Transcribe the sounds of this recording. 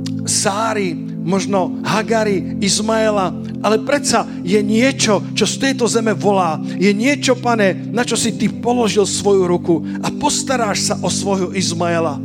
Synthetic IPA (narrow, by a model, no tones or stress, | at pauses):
saːɾi | mɔʒnɔ | ɦaɡaɾi | izmaɛla | ʔalɛpɾɛsa | jɛɲɪɛt͡ʃɔt͡ʃɔft̪ɛjt̪ɔzɛmɛʋɔlaː | jɛɲɪɛt͡ʃɔpaɲɛnat͡ʃɔsit̪ipɔlɔʒilsʋɔjuɾuku | apɔst̪aɾaːʃsaʔɔsʋɔjɦɔʔizmaɛla